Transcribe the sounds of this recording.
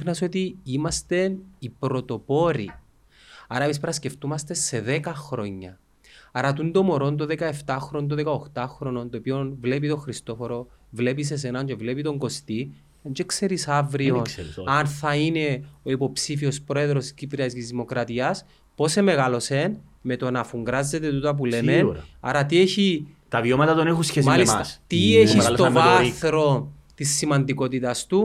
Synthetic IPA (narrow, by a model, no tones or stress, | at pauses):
xnɐsot̪iimɐst̪e̞nipɾo̞t̪o̞po̞ɾḭ | ɐ̰ɾɐpispɾɐsce̞ft̪umɐst̪e̞se̞ðekɐxɾo̞ɲːɐ̰ | ɐɾɐt̪und̪o̞mo̞ɾo̞nt̪̬oðekɐe̞ft̪ɐxɾo̞nt̪̬oðekɐoxt̪ɐxɾo̞nont̪opionvle̞p̬it̪o̞xɾist̪o̞foɾo̞ | vle̞pis̬e̞s̬enaɲt͡ʃevle̞pit̪o̞ŋɡo̞st̪i | ɲt͡ʃekse̞ɾisɐvɾio̞nsɐnθɐine̞oipo̞psifio̞spɾo̞e̞ðɾo̞scipɾiɐsɡizðimo̞kɾɐt̪iɐs | po̞se̞me̞ɣalo̞se̞n | me̞t̪onɐfuŋɡɾɐzːe̞t̪e̞t̪ut̪ɐp̬ulemenɐ̰ɾɐt̪ieçi | t̪ɐviomɐt̪ɐt̪onexusçesmalit̪ieisst̪oaθɾo̞ | t̪isːimɐnd̪iko̞t̪it̪ɐst̪u